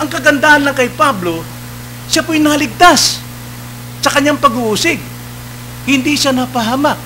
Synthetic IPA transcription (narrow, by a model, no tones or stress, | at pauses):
ʔɐŋkɐɡɐnd̪aːhɐnlɐŋkɐjpablo̞ | ʃapojnɐlɪɡ̚t̪as | sɐkɐɲːaŋpɐɡʊʔuːsɪɡ̚ | hɪnd̪iʃanɐpɐɦaːmak̚